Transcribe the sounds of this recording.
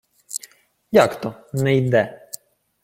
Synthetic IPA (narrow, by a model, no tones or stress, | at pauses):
jakt̪ɔnɛjd̪ɛ